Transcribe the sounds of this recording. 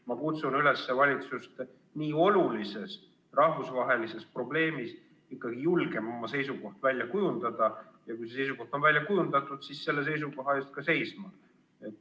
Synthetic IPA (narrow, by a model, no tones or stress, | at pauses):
mɑkut̪sunyle̞sːevɑlʲit̪sust̪ | niːo̞lulise̞s | rɑhvusvɑɦe̞lise̞spro̞ble̞ːmis | ikːɑɡ̥ijulɡ̥e̞mo̞mːɑse̞jsuko̞ht̪vælʲjɑkujund̪̥ɑd̪̥ɑjɑkujse̞sejs̬uko̞ht̪o̞nvælʲjɑkujund̪̥ɑt̪ːˑud̪̥sisse̞lːe̞s̬e̞js̬uko̞ɦɑeːst̪̚kɑse̞jsmɑ | et̪ːˑ